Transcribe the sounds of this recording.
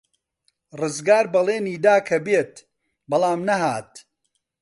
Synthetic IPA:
rɨzɡaːɾbɐleːniːd̪aːkʰɐbeːt̪ | bɐlˠaːmnɐɦaːt̪̚

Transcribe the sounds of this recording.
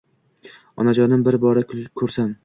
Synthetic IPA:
ɒ̰nad͡ʒɒnɪmbɪɾbɒɾakʰɵɾsam

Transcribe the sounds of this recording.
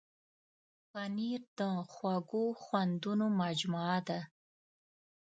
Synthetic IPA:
paniɾd̪əxwaɡoxwand̪unomad͡ʒmaad̪a

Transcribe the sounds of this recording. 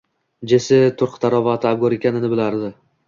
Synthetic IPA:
d͡ʒesɪt̪ʰʊɾqʰt̪ʰaɾɒvat̪ʰɪab̚ɡɒɾe̞kʲanɪnɪbɪlaɾd̪ɪ

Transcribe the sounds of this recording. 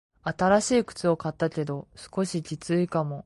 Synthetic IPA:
at̪aɾaɕiːkɯ̟̥t͡sɨo̞kat̪ːakʲe̞d̪o̞sɨ̥ko̞ɕikʲit͡sɨikamo̞

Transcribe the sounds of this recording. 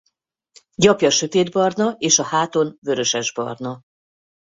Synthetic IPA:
ɟɒpjɒʃø̞t̪eːd̪bɒrnɒeːʃɒhaːt̪o̞nvø̞ɾø̞ʃɛʒbɒ̰rnɒ

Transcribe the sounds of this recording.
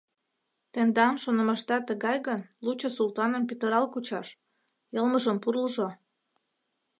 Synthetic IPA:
t̪end̪ɑmʃonə̆məʃt̪ɑt̪əɣɑjɣənlut͡ɕəsulˠt̪ɑnəmpit̪əɾɑlkut͡ɕɑʃ | jəlməʒəmpurləʒo

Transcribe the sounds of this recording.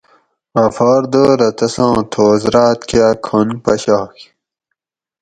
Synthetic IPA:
ɐfɑːɾd̪oɾɐt̪ɐsɑ̃ːt̪ʰoːzɾaːt̪kjaːkʰonpɐɕɑːk

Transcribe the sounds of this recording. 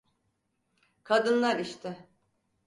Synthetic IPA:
kʰad̪ɯnlˠaɾiʃt̪ʰɪ

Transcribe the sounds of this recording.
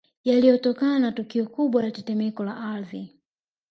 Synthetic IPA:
jalijɔtɔkananatukiɔkuɓwajatɛtɛmɛkɔlaʔaði

